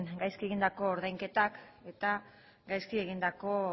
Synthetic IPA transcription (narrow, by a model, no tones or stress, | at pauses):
ŋɡajskie̞ɣind̪ako̞ːɾðajŋke̞t̪ake̞t̪a | ɡajskie̞ɣind̪ako̞